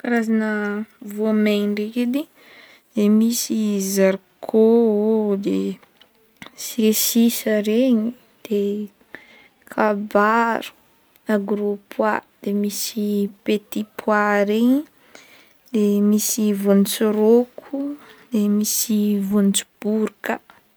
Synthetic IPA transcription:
kaɾazanəvoameɖ͡ʐeked̪i | d̪̥emisizaɾkʰood̪e | siesisəɾeɲi | d̪̥e | kʰabaɾu̥ | aɡɾopʰwad̪̥emisipet̪ipʰwaɾeɲi | d̪emisivont͡suɾokʰud̪̥emisivont͡su̥b̥uɾkə

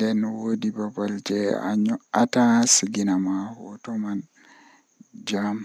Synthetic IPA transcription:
dɛnːɔwodibabald͡ʒɛa̰ɲɔʔatasiɡinamahɔ̰tɔman | d͡ʒam

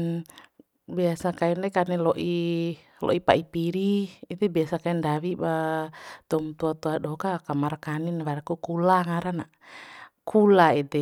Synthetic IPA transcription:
biasakainlɛkanɛlɔʔi | lɔ̰ʔipa̰ipiɾiːt̪ɛbiasakaindawibat̪ɔmt̪uat̪uadɔkakamarkaninβaɾakukulaŋaɾana | kʰulaidɛ

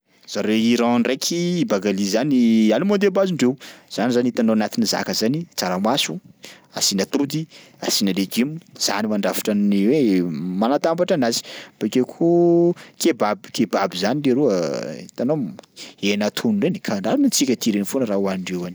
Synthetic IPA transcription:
z̥aɾeiɾãnrekʰiːbaɡalizanialumond̪ebaziɳɖ͡ʐewz̥anizaniit̪anoanat̪iniza̰kəzanit͡saɾamasu | a̰sinat̪ud̪i | asinaleɡimuz̥a̰nimaɳɖ͡ʐafḁʈ͡ʂanniwemanat̪ambaʈ͡ʂanazi̥b̥akʲekʰukebabi̥kebabizaniɖ͡ʐeɾuəit̪anoenat̪ʰununlenikʰaɳɖ͡ʐalunat͡sikʲət̪iɾenifonəɾawaniɳɖ͡ʐewani̥

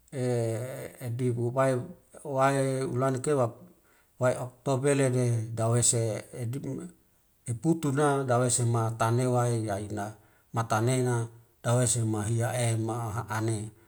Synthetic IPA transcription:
eː | dibuwaewaeṵlanekewa | waeok̚t̪obelededawesei | eput̪unadawesemat̪anewaejaina | mat̪anena | d̥awesemaɦiaemaɦaʔane

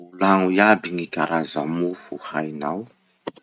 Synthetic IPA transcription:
ulaŋuiabiŋiɡaɾazamufuhajnaw

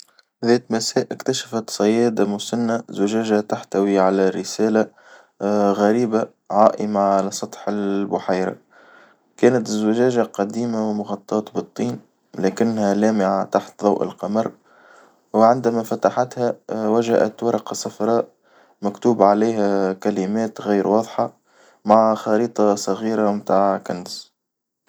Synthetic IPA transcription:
ðæːt̪masæːʔɪkt̪aʃḁfat̪sˤɑjːæːd̪amʊsanːazʊʒæːʒat̪aħt̪awiʕalærːɪsæːla | ɣæɾiːba | ʕaːʔɪmaʕalæsˤɑt̪ˤħɪbʊħajɾa̰ | kæːnat̪zːɪʒæːʒaqɑd̪iːmawɪmʊɣɑt̪ˤːɑːt̪bɨt̪ˤːiːn | læːkɪnːhælæːmɪʕat̪aħt̪ðˤɑwʔɪ̰lqɑmɑɾˤ | wɪʕɪnd̪æmæfat̪aħat̪hæwaʒaʔæ̰t̪wɑɾˤɑqɑsɑfɾˤɑːʔ | mækt̪uːbʕaleːɦækælɪmæːt̪ɣiːɾwɑːðˤħɑ | maʕxɑɾiːt̪ˤɑsˤɑɣiːɾamt̪aːʕkans

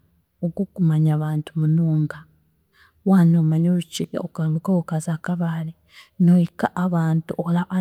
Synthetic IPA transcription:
oɡokumaɲaβaːntumunuːŋɡa | wanomaɲoluciokaluɡaokazaːkaβali | noikaʔaβaːntuʔolaʔa

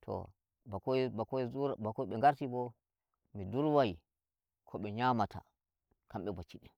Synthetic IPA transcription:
tʰɔ̰ | kɔkɔuɾbakɔiɓɛŋɡaɾtibɔ | miduɾwaji | kʰɔɓɛɲamatʰa̰ | kamɓɛbat͡ʃːiɗɛn

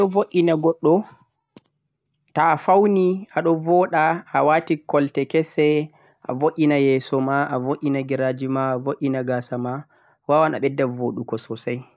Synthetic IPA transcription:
ɗɔvoʔʲːinaɡɔɗːɔ | taːfawniaɗɔvɔɗaawatikɔltɛkɛsɛ | ʔa̰voʔʲːinajɛːsɔmaʔavoʔʲːinaɡiɾad͡ʒimaːvoʔʲinaɡaːsama | wawana̰ɓɛdːavoɗukɔsɔsaj

